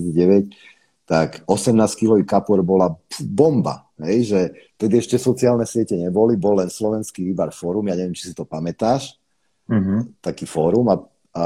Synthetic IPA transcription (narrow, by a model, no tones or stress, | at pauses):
it͡saɟɛʋɛc | t̪akɔsɛmnaːskilɔʋikapɔɾbɔlapbɔmba̰ | ɦɛjʒɛt̪ɛd̪iɛʃcɛsɔt͡siaːlnɛsɪɛcɛɲɛbɔlibɔlːɛnslɔʋɛnskiɾibaɾfɔːɾumjaːɲɛʋɪɛmt͡ʃi̥si̥t̪ɔpamɛt̪aːʃ | t̪akiːfɔːɾuma | a